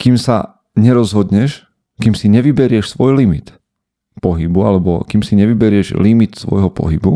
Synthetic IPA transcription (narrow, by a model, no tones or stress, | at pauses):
kiːmsa̰ | ɲɛɾɔzɦɔd̪ɲɛʃ | kiːmsiɲɛʋibɛɾɪɛʃsʋɔjlimit̪ | pɔɦibualɛbɔ̰kimsiɲɛʋibɛɾɪɛʒlimit̪sʋɔ̰jɦɔpɔ̰ɦibu